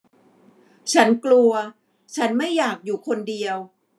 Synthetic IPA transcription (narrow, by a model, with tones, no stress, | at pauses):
t͡ɕʰa˦˥nklu˧ɐ | t͡ɕʰa˦˥nma˥˩jːaː˨˩k̚juː˨˩kʰo˧ndi˧əw